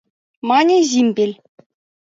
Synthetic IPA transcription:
mɑnʲeʑimʲbʲelʲ

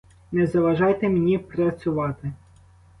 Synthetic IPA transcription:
nɛzɐʋɐʒɑjt̪emnʲipɾɐt͡sʲʊʋɑt̪ɪ

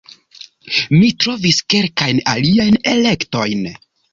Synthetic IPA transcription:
mitɾo̞viske̞lkajna̰liajne̞le̞kto̞jn

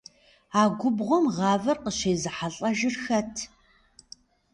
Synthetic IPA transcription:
aːɡʷʊbʁʷɔmʁɑːvɐrqəɕeːzɨħaɬʼɐʒɪrxɐtʰ

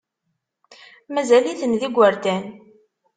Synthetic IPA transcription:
mæzæliθənðiɡʷːəɾt̪æn

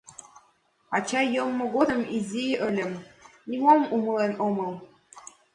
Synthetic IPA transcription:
ɑt͡ɕɑjɤmːɤ̆ɡod̪ɤ̆mizʲijʔə̆lʲə̆mnʲimomumɤ̆lˠenomɤ̆lˠ

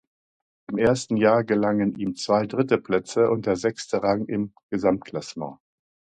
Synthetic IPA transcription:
ʔɪmʔeːɐstn̩jaːɐɡəlaŋənʔiːmt͡sv̥aɪdʁɪtəpl̥ɛt͡səʔʊnt̚d̥eːɐzɛkstəʁaŋʔɪmɡ̥əzamt̚kʰl̥asmɑ̰̃ː

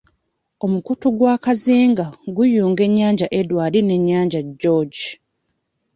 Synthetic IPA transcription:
o̞mukutoɡwaːkaziːŋɡaɡujuːŋɡe̞ɲːaːɲɟaʔedwaːline̞ɲːaːɲɟaɟːoɟi

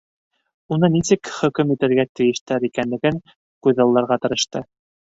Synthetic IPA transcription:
unɤnisɘkχɵ̆kɵmit̪ɘ̆ɾɡæt̪ɘ̆jɘ̆ʃt̪æɾikænlɘ̆ɡɘŋ | kʉjðɑlˠːɑɾʁɑt̪ɤ̆ɾɤ̆ʃt̪ɤ

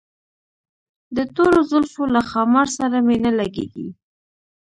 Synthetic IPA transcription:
d̪ət̪oɾozəlfolaxɑmaɾsaɾamenəlaɡḛɡḭ

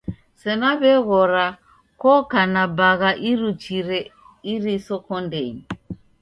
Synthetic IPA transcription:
sɛnaβɛɣɔɾa | kɔkanabaɣaʔiɾut͡ʃiɾɛ | iɾisɔkɔndɛni

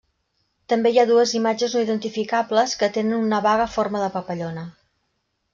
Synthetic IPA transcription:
t̪əmbejaðuəzimad͡ʒəznoiðənt̪ifikabləskət̪enənunəβaɣəforməðəpəpəʎonə

